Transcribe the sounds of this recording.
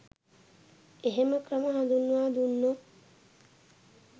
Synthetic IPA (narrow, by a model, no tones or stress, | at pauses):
eɦeməkrəməɦãnd̪unːuʋaːd̪unːo